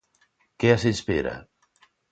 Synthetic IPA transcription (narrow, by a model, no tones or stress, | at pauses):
keasespeɾa̰